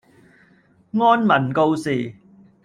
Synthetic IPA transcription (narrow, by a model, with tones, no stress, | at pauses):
ŋɔː˥nmɐ˨˩nko˧wsiː˨˩